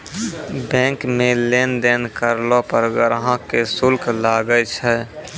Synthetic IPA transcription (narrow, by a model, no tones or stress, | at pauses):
bɛ̃ːŋkmẽleːnd̪eːnkəɾlopəɾɡəɾɦãkesʊlkʰlaːɡət͡ʃʰɛ